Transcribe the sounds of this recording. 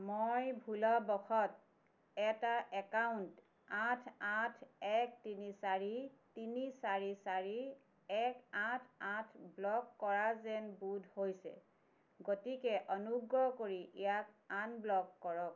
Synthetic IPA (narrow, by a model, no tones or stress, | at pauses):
mojbʱulɔbɔxʰɔt̚ | ɛtaʔɛkawnt | ãtʰãtʰɛktinisaɹitinisaɹisaɹi | ɛkãtʰãtʰblɔkːɔɹazɛnbudʱhojsɛ̰ | ɡotikɛʔɔnuɡɹɔkoɹiʔijak̚anblɔkːɔɹɔk̚